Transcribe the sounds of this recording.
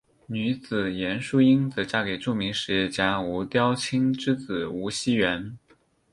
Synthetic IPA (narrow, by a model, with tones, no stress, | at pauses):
ny˧˥t͡sɹ̩˨˩jɛ˧˥nʂu˥i˥ŋt͡s̩˧˥ʈ͡ʂa˥ke˨˩ɪʈ͡ʂu˥˩mi˧˥ŋʂɻ̩˧˥˧t͡ɕja˧˥u˧˥t̪jɑ˥ʊt͡ɕʰi˥ŋʈ͡ʂɻ̩˥t͡sɹ̩˨˩u˧˥ɕi˥ɥɛ˧˥n